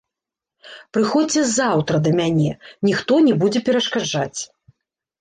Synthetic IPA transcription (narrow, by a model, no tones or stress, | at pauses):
pɾɨxɔt͡sːʲɛzawt̪ɾɐd̪ɐmʲanʲɛnʲixt̪ɔnʲɛbud͡zʲɛpʲɛɾɐʂkad͡ʐat͡sʲ